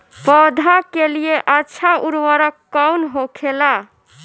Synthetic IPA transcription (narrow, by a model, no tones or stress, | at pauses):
pɔd̪ʱakelijeʔətːʃʰaʔuɾwəɾəkːɔwnɦokʰela